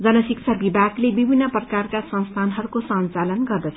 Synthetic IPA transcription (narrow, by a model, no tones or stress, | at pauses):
d͡zʌnʌsik̚t͡sʰʌbibʱaɡlebibʱinːʌprʌkarkasʌ̃nst̪ʰanɦʌɾukosʌnt͡salʌnɡʌrd̪ʌt͡sʰʌ